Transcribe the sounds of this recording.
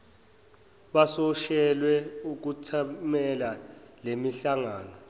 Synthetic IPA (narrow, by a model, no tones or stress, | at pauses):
ɓasɔʃɛlwɛuk̬utʰamɛlalemiɬaŋaːnɔ